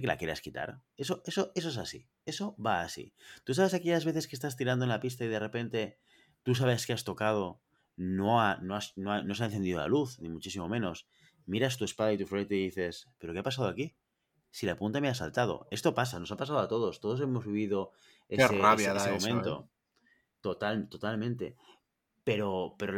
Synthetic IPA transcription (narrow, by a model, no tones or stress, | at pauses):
kelʔa̰kje̞ɾa̰skit̪a̰ɾe̞so̞ʔe̞so̞ʔe̞s̬o̞e̞sasḭ | e̞soβaːsḭt̪us̬aβe̞sakeʝazβe̞θe̞ske̞st̪as̬t̪iɾand̪oenlapist̪aiðe̞re̞pe̞nt̪e̞ | t̪us̬aβeaskeast̪o̞kað̞o̞ | noanoasnoano̞s̬aenθend̪iðola̰luθnimut͡ʃisimo̞mẽ̞no̞s | miɾast̪ue̞spaðait̪ufɾejt̪eðiθe̞spe̞ɾokeapasaðoaki | silapunt̪ameasa̰lt̪að̞o̞̰e̞st̪o̞pas̬ano̞sapasaðoat̪o̞ð̞o̞st̪oðo̞s̬e̞mo̞zβiβ̞iðo̞ | eseraβjaeseomẽnt̪o̞̰ | t̪ot̪alt̪o̞t̪almẽnt̪e̞̰ | pe̞ɾo̞pe̞ɾo